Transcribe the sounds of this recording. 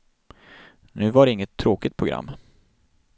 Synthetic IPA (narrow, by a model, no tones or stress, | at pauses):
nʉ̟ːvaɖɛɪŋːət̪ʰːɾoːkɪt̪̚pʰɾʊɡɾa̰mː